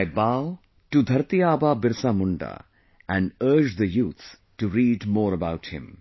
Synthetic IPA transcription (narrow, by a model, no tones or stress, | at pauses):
ɪbaʊ | ʈud̪ʱɐɾt̪ijaːbaːbɪɾsaːmuɳɖa̰ | æ̃nɖəɾd͡ʒd̪əjuːt̪s | ʈuɾiːɖmoːɾəbaʊʈhɪ̰̃m